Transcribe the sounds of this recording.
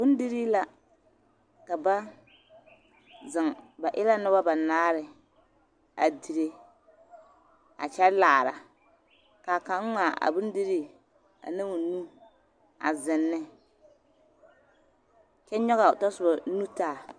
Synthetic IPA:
bʊ˦n˦di˦ɾi˦la˦ | ka˨ba˦ | zɪ˨ŋba˨ʔɪ˦la˦nɨ˦ba˦ba˨naː˦ɾɪ˨ | a˨di˨ɾe˦ | a̰˨t͡ʃɛ˦ɾlaː˨ɾa˨ | ka˨ka˨˦ŋ˦ŋa˨ʔa̰˨bʊ˦n˦di˦ɾi˦ | a̰˨na˦mo˨nu˦ | a̰˨zɪ˨nːɪ˦ | kɛ˦ɲɔ˦ɣa˨tɔ˦sʊ˨ba˨˦nu˦taː˦˨

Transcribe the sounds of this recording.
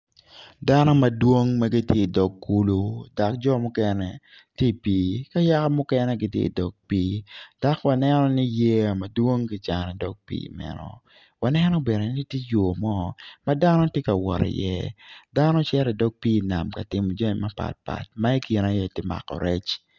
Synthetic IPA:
da˦nɔ˦mɐ˨dwo˦ŋma˦ɡi˦tje˦i˨dɔ˨ɡːu˦lu˦da˨k̚d͡ʒɔ˦mʊ˦kɛ˦nɛ˨ | te˦˨piː˦ka˦ja˦ka˦mʊ˦kɛ˦nɛ˦ɡi˦tjḛ˦ḭ˨dɔ˨ɡ̚piː˦d̥a˨kwa˨nɛ˦nɔ˦ni˦je˦a˨ma˨dwo˦ŋki˦t͡ʃa˨nɛ˨dɔ˦ɡ̚pḭːmɛ̰˨nɔ̰˨ | wa˨nɛ˦nɔ˦be˨nɛ˨ni˦tje˦jo˨mɔ˦ma˦da˦nɔ˦tje˦ka˨wɔ̰˨ɾɛ̰˨jɛ̰˦da˦nɔ˦t͡ʃɛ˦ɾɛ˨dɔ˦ɡ̚piː˦˨na̰˨mka˨tɪ˨mɔ˨d͡ʒɔ˦ni˨ma˦pa̰˨t̚pa̰˨t̚ma˦i˦ki˨na˨jɛ˦˨tɪ˦ma̰˨kɔ̰˨ɾɛ̰˦t͡ʃ

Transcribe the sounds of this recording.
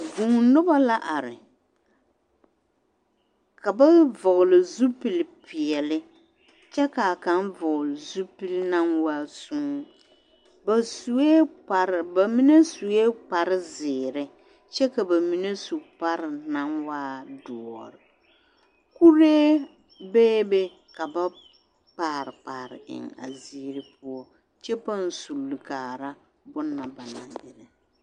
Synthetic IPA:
vu˨ŋ˨nʊ˦ba˦la˦ʔa˨ɾɪ˨ | ka˨ba˦vʊ˨ɣʊ˨lɪ˨zu˦pi˨lpɪ˨ɛ˨lɪ˦ | t͡ʃɛ˦ka˨ka˨˦n˦vʊ˨ɣlɪ˨zu˦pi˦lna˦nwa˦su˦ŋ˦ | ba˨su˨e˦a˨ɾba˨mi˦ne˦su˨e˦k͡pa˨ɾɪ˦zɪː˨ɾɪ˦ | t͡ʃɛ˦ka˨ba˨mi˦ne˦su˨pa˦ɾɪ˨na˦nwaː˦dɔ˨ɔ˨ɾɪ˨ | ku˦ɾeː˦ | beː˦be˦ | ka˨ba˦ | k͡paː˨ɾɪ˨k͡paː˨ɾɪ̰˨ʔɪ̰˨ŋa̰˨ziː˦ɾɪ˦pʊ˦ɔ˦ | t͡ʃɛ˦pa˦n̩˨su˨lːi˨kaː˨ɾa˦ | bʊ˦nːa˨ba˨na˨dɪ˨ɾɪ˨

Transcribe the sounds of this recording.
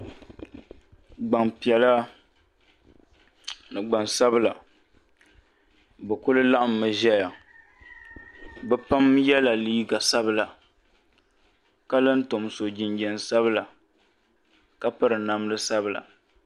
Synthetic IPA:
ɡ͡ba˨ŋpi˨ɛ˨la˦ | nɨ˨ɡ͡ba˨nsa˦bɨ˦˨la˨ | bɛ˨kʊ˦lɨ˦la˦ʔa˨mː˦ɨ˨ʒɛ˦ja˨ | bɛ˦pa˦mjɛ˦la˨li˦ɡa˨sa˦bɨ˦la˨ | ka˦lɨ˦n̩˦to˨m˨so˨d͡ʒɪ˨nd͡ʒɛ˨n˨sa˦βɨ˦la˨ | ka˦pɨ˦ɾɨ˨na˦m˦lɨ˦sa˦bɨ˨la̰˨

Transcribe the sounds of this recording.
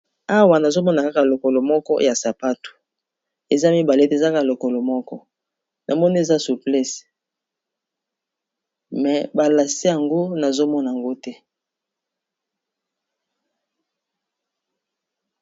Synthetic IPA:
a˦wa˨na˨zo˦mɔ˦na˨ka˦ka˦˨lo˨ko˨lo˨mɔ˦kɔ̰˦ja˨sa˨pa˦tu̥˨ | e˨za˦mi˦ba˨le˦te˦˨za˦ka˦a˨lo˨ko˨lo˨mɔ˦kɔ˦ | nʔa˨mɔ˦ni˦e˨za˦su˨plɛ˦s | mɛ˨ba˨la˨si˦ja˨ŋɡo˦na˨zo˦mɔ˦na˨a˨ŋɡo˦tɛ˦

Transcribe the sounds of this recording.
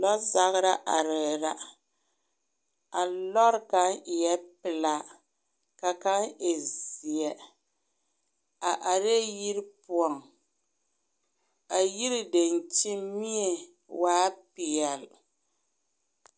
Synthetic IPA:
lɔ˦za˦ɣɨ˦ɾa˦ʔa˨ɾɛ˨ɾa˨ | a˨lɔ˦ɾka˦˨jɛ˦pɪ˨la˦ | ka˨ka˦ne˨zi˨ɛ˨ | a˨ʔa˨ɾe˦ji˦ɾɪ˦pu˦ɔ˨ŋ | a˨ji˦ɾɪ˦de˨n˨t͡ʃɪ˦mi˦ɛ˨ | waː˦pi˨jɛ˨l

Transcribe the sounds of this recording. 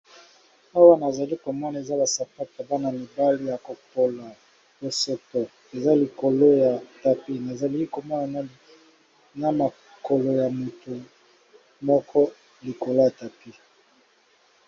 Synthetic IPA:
a˦wa˦na˨za˨li˦kɔ˨ma˦na˨e˨za˦la˨sa˨pa˦ta˨ba˦na˨mi˨ba˦li˦ja˨ko˨po˦la˨ | o˦sɔ˦tɔ˨ | e˨za˦li˨ko˨lo˦ja˨ta˨pi˦na˨za˨li˦i˦ko˨mɔ˦ja˨n˦ | na˦na˨ | ko˨lo˨ja˨mu˨tu˨ | mɔ˦kʰɔ˦ | li˨ko˨la˦a˨ta˨pi˦

